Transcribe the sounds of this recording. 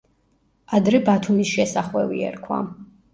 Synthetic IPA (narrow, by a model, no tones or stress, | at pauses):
ad̪ɾɛbat̪ʰumisʃɛsaχwɛvḭɛ̰ɾkʰwa̰